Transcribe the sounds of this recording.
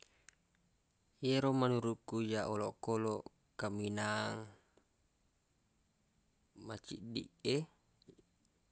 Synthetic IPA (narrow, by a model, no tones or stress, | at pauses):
jeɾomanuɾukːujaʔɔlɔkolo | kaminaŋ | mat͡ʃḭʔdḭke